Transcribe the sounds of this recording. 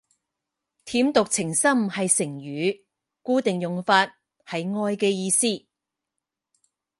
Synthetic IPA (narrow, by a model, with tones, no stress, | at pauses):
t̪ʰiː˨˥mt̪ʊ˨k̚t͡sʰɪ˨˩ŋsɐ˥mhɐ˨jsɪ˨˩ŋjyː˨˧ | kuː˥t̪ɪ˨ŋjʊ˨ŋfaː˧t̚ | hɐ˨jŋɔː˧jkɛː˧jiː˧siː˥˩